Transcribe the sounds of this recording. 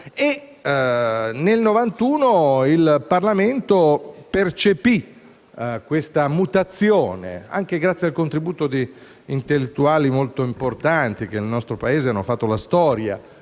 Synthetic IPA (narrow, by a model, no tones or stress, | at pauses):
e | nelnovant̪uːnoilparlament̪opert͡ʃepi | kwest̪amut̪at̪sːjoːnḛa̰ŋk̟eɡɾat̪sːjialkont̪ɾibuːt̪od̪i | int̪elːet̪ːuaːlimolt̪oimport̪ant̪ik̟elnɔst̪ɾopaeːzeanːofat̪ːolast̪ɔːɾja̰